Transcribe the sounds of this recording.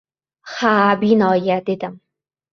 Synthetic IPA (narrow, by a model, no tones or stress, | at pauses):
χaːbinɔːjɐd̪ed̪ɨm